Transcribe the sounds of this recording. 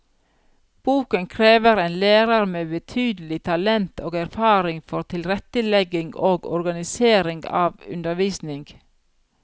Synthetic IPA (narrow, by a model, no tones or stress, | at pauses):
b̥uːkənkʰɾeːʋəɾeːnlæːɾɑɾmeːbət̪ʰyːd̪əl̩ɪt̪ʰɑlɛnt̪ʰoːɡæɾfɑːɾɪŋfɔɾt̪ʰɪlɾɛt̪əlɛɡɪŋɡoːɡɔ̰ɾɡɑnɪseːɾɪŋɡɑ̰ːʋʉ̰nd̪əɾʋiːsnɪŋɡ